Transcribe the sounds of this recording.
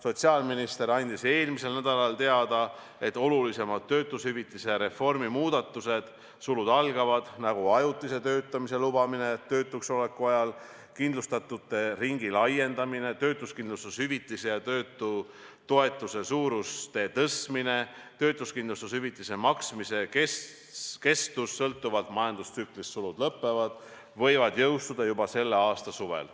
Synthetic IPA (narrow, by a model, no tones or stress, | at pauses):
so̞t̪ʲsiɑlminist̪e̞ɾɑnʲd̪̥ise̞ːlmise̞lnæd̪̥ɑlɑlt̪e̞ɑd̪̥ɑ | e̞t̪ːˑo̞lulise̞mɑd̪̥̚t̪ːø̞ːt̪ːˑushyvit̪ːˑiseɾe̞fo̞rmimuːd̪ɑt̪ːˑuse̞d̪̥ | sulud̪̥ɑlɡ̥ɑvɑd̪̥næɡ̥uɑjut̪ːˑise̞t̪ø̞ːt̪ːˑɑmise̞lub̥ɑminet̪ø̞ːt̪ːˑukso̞le̞kːˑuɑjɑl | kind̪lust̪ɑt̪ːut̪ːˑe̞riŋɡ̥ilɑjːe̞nd̪ɑmine̞t̪ø̞ːt̪ˑuskind̪lust̪ushyvit̪ːˑisejɑt̪ø̞ːt̪ːˑu | t̪o̞e̞t̪ːˑuse̞suːɾust̪e̞ːt̪ɤsmine̞ | t̪ø̞ːt̪ːˑuskind̪lust̪ushyvit̪ːˑise̞mɑksmise̞kes | ke̞st̪usːɤlt̪ːˑuvɑd̪mɑjɑnd̪̥ust̪syklist̪sulud̪̥lɤpːˑe̞vɑd̪̥ | vɤ̞jvɑd̪̥jɤwst̪ud̪̥ɑjubɑse̞lːe̞ɑːst̪ɑsuve̞̰l